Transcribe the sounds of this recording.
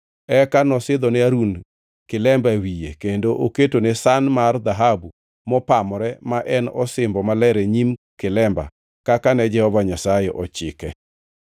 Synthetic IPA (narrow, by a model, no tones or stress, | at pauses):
ɛkanɔsɪd̪ɔnɛaɾun | kɪlɛmbawijḛkendoʔoketonesanmard̪aɦabu | mɔpamɾɛmaʔɛnɔsɪmbɔmalɛɾɛɲimkɪlɛmba̰ | kakanɛd͡ʒɛhɔvaɲasajeʔɔt͡ʃɪ̰kɛ